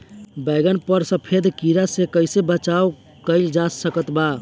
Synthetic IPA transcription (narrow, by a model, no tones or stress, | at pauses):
bəɪɡənpəɾsəpʰed̪ʱkiɾasekəɪsebət͡ʃao | kəɪld͡ʒasəkət̪ba